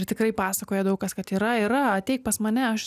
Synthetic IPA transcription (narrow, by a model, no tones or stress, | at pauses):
ɾt̪ʲɪkrɐɪpɑːsɐkoːjɛd̪ɐʊkɐskɐt̪iːɾɐiːɾɐɐt̪ʲɛɪk̚pɐsmɐnʲɛɐʃ